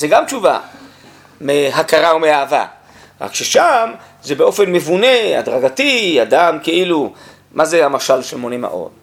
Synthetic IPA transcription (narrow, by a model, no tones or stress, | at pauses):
zeɡamt͡ʃuva̰ | meɦakaʁaomeaːva̰ | ʁa̰kʃeʃam | zebeo̞fe̞nmevune̞a̰dʁaɡatiad̪amkeʔilu | mazeamaʃalʃelmonema̰ʔo̞̰t